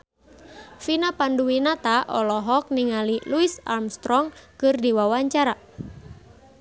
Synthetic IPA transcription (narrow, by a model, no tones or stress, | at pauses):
finapanduinat̪aʔɔlɔɦɔk̚niŋaliluisa̰rmst̪ɾɔŋkɨrdiwawaɲt͡ʃaɾa